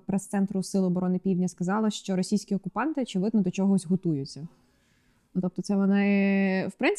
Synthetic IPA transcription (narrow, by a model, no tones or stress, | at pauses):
pɾɛst̪sɛnt̪ɾʊsɪlˠʊːbɔɾɔnɪpʲiwdʲnʲɐskɐzɑlˠɪʃt͡ʃɔɾɔsʲijsʲkʲiɔkʊpɑnt̪ɪɔt͡ʃɪʋɪd̪nɔd̪ɔt͡ʃɔɦɔzʲɦɔt̪ujʊt͡sʲːɐ | t̪ɔp̚t̪ɔt̪sɛʋɔnɪwpɾɪnt̪